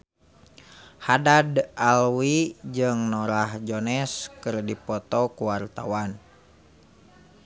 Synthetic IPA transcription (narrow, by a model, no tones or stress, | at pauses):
hadadalwid͡ʒɨŋnɔɾahd͡ʒɔnɛskɨrdipɔt̪ɔkuwart̪a̰wan